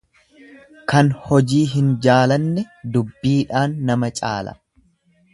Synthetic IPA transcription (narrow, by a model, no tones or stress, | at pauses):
kɐnhɔd͡ʒiːɦɪnd͡ʒaːlɐnːɛd̪ʊbːiːᶑaːnːɐmɐt͡ʃʼa̰ːlɐ̰